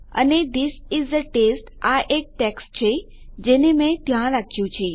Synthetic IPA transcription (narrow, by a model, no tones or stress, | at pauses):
ə̰ned̪ɪsɪzd̪əʈesʈaʔek̚ʈɛksʈ̚t͡ʃʰe | d͡ʒenemẽt̪jãlakʰjũt͡ʃʰe